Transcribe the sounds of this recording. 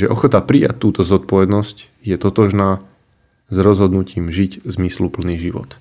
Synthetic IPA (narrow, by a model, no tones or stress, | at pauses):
ʒɛʔɔxɔt̪apɾija̰ct̪ːuːt̪ɔzɔt̪̚pɔʋɛd̪nɔsc | jɛt̪ɔt̪ɔʒnaː | zɾɔzɦɔd̪nuciːmʒiczmislupl̩niːʒiʋɔ̰t̪